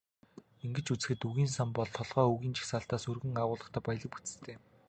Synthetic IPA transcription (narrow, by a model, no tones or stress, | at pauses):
iŋɡɘ̆t͡ɕut͡sɘ̥̆xɘ̆t̪uɣiːnsampɔɮt̪ʰɔɮʁɔːuɣiːnt͡ɕʰi̥xsaːɬt̪aːsɵrɣɘ̆ŋaʁʊːɮə̆χt̪ʰæːpajɮə̆k̚put͡sɘ̆t̪ʰeː